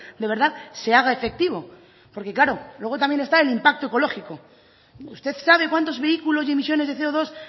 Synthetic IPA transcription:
d̪eβe̞ɾðaðse̞aɣ̞ae̞fe̞k̚t̪iβo̞ | po̞ɾke̞klaɾolwe̞ɣ̞o̞t̪amje̞nest̪aelimpak̚t̪oe̞ko̞lo̞xiko | ust̪e̞θsaβ̞e̞kwant̪o̞zβe̞ikulo̞sie̞mis̬jo̞ne̞zðe̞θeoðo̞s

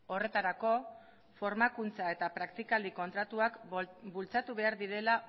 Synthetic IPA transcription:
o̞re̞t̪aɾako̞ | fo̞ɾmakunt͡sae̞t̪apɾakt̪ikald̪iko̞nt̪ɾat̪uakbult͡sat̪uβe̞aɾðiɾe̞la

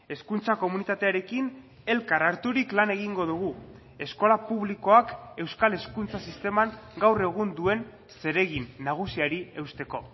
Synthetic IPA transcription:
e̞skunt͡sako̞munit̪at̪e̞aɾe̞kin | e̞lkaɾaɾt̪uɾiklane̞ɣ̞iŋɡo̞ðuɣ̞u | e̞sko̞lapuβliko̞ake̞wskale̞skunt͡sasist̪e̞maŋɡawre̞ɣ̞und̪ue̞n | se̞ɾe̞ɣinːaɣ̞usiaɾie̞wst̪e̞ko̞

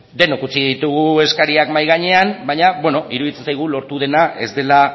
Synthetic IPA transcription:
d̪e̞nokut͡siðit̪uɣ̞ue̞skaɾiakmajɣ̞aɲe̞anbaɲabwe̞no̞ʔiɾuðit͡sensajɣ̞ulo̞ɾt̪uð̞e̞naʔe̞zd̪e̞la

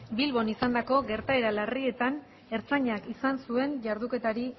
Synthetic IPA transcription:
bilβo̞nisand̪ako̞ɡe̞ɾt̪ae̞ɾalarie̞t̪an | e̞ɾt͡saɲakisansue̞nʝaɾðuke̞t̪aɾi

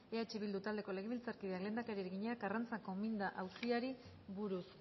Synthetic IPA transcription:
eat͡ʃiβild̪ut̪ald̪e̞ko̞le̞ɣeilt͡saɾkið̞eakle̞nd̪akaɾiɾeɣiɲeakɡarant͡sako̞mind̪aʔawsiaɾi | βuɾus

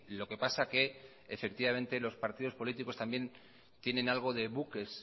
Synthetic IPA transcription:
lo̞ke̞pasake̞ː | fe̞k̚t̪iβamẽ̞nt̪e̞lo̞spaɾt̪iðo̞spo̞lit̪iko̞st̪ambje̞n | t̪je̞nẽ̞nalɣ̞o̞ðe̞βuke̞s

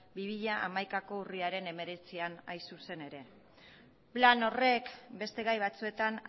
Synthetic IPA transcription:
biβiʎaʔamajkako̞uriaɾe̞ne̞me̞ɾe̞t͡sianajsuse̞ne̞ɾe̞ | plano̞re̞kbe̞st̪e̞ɣajβ̞at͡sue̞t̪an

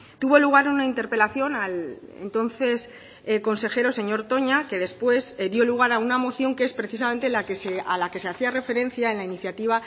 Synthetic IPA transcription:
t̪uβo̞luɣ̞aɾunaint̪e̞ɾpe̞laθjo̞nalḛnt̪o̞n̟θe̞s | ko̞nse̞xe̞ɾo̞se̞ɲo̞ɾt̪o̞ɲake̞ð̞e̞spwe̞zðjo̞luɣ̞aɾaunamo̞θjo̞ŋkee̞spɾe̞θis̬amẽ̞nt̪e̞lakesealake̞se̞aθiare̞fe̞ɾẽ̞n̟θjae̞nlainiθjat̪iβ̞a

